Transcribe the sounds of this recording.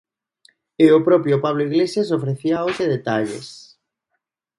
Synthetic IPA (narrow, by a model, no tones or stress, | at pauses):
eʊpɾɔpjopaβ̞loiɣlesjasofɾeθiaoʃeðet̪aʎḛs